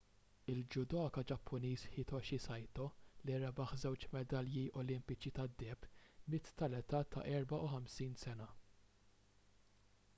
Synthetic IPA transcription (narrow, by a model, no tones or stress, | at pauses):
ɪld͡ʒʊd̪ɔːkɐd͡ʒɐpʰːʊniːsħɪt̪ɔʃisɐjt̪ɔliɾɐbɐħzɛwt͡ʃmɛd̪ɐljiʔɔlɪmpɪt͡ʃit̪ɐd̪ːɛːpmɪt̪ːɐlɛt̪ɐːt̪ʰːɐ̰ʔɛɾbɐʔuħɐmsiːnsɛnɐ